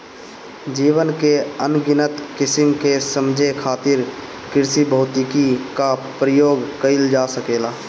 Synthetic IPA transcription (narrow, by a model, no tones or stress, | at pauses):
d͡ʒiːwənkeənɡɪnət̪kɪsɪmkesəmd͡ʒʱekʰaːt̪ɪɾ | kɪɾsibəɦʊt̪ɪkikapɾəjoːɡkəɪld͡ʒaːsəkeːlaː